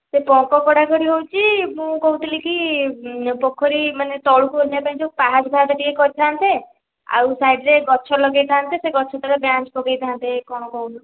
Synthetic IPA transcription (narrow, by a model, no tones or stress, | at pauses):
sepɔkɔkɔɽakɔɾiɦowt͡ʃʰimũkɔwt̪iliki | pɔkʰːɔɾimanet̪ɔɭukuolapaɦĩd͡ʒopaɦad͡ʒbʱaɾt̪ɔʈiekɔɾit̪ʰant̪e | a̰wsajɖɾeɡɔt͡ʃʰɔlɔɡejt̪ʰaːnt̪eseɡɔt͡ʃʰɔt̪aɾebjãt͡ʃpɔɡejt̪ʰaant̪ekɔɽ̃ɔkɔwlu